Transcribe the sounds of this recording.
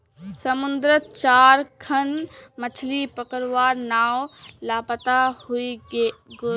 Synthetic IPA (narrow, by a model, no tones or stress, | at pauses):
sɐmʊ̃nd̪ɾət͡ʃaːɾkʰɐnmɐt͡ʃʰlipəkəɾʋaːɾnaːwlaːpət̪ahuiɡ